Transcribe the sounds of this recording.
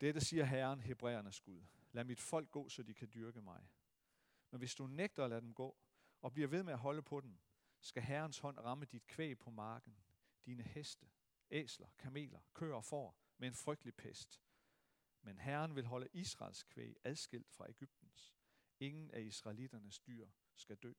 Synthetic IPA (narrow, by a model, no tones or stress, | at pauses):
d̥ed̥əsiːɐɦæɐnɦe̝b̥ʁɛ̰ːɐnəsɡ̥uðˠ | læmid̥fɒ̽l̰ɡ̥̚ːɔ̰̽ːsɒ̽d̥ikʰæd̥yɐɡ̥əmɑ̈ɪ | menʋe̝sd̥uneɡ̥̚d̥ɐlæd̥emɡ̥ɔ̰̽ː | ɒ̽b̥liɐʋe̝ð̞ˠmeæɦɒ̽ləpʰɒ̽d̥em | sɡ̥æɦæɐnshɒ̽n̰ʁɑ̈məd̥id̥̚kʰʋḛːpʰɒ̽mɑ̈ːɡ̥n̩ | d̥iːnəhesd̥ə | ḛːslɐkʰæme̝̰ːlɐkʰø̰ːɐɒfɒ̰ː | mee̝nfʁœɡ̥̚d̥lipʰesd̥ | menɦæɐnʋe̝lɦɒ̽ləʔisʁɑ̰̈ːlskʰʋḛːæðˠsɡ̥e̝l̰d̥fʁɑ̈ʔe̝ɡ̥yb̥̚d̥n̩s | e̝ŋn̩ʔæisʁɑ̈ɪlid̥ɐnəsd̥y̰ːɐ̰ | sɡ̥æd̥ø̰ː